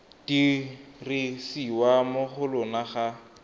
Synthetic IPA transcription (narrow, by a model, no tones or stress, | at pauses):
d̥irisiwamʊχʊlʊnaχa